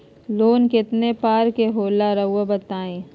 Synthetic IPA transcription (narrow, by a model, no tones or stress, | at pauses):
loːnkɪt̪nepaːɾkeɦoːlaɾɐɦʊabɐt̪aːẽː